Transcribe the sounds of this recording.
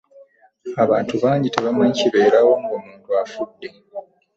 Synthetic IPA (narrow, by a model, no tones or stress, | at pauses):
aβaːntuβaːɲɟiteβamaɲiciβe̞ːɾawo̞ŋɡomuːntuafudːe